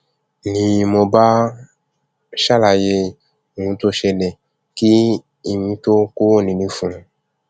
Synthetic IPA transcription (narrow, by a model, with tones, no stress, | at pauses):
nĩ˨mõ˧ba˦ | ʃa˦la˨je˧˨ | ŋũ˧t̪o˦ʃɛ˧nɛ˨ | ki˦ | i˨mĩ˨˧t̪o˦ko˦wnĩ˨nĩ˧fũ˨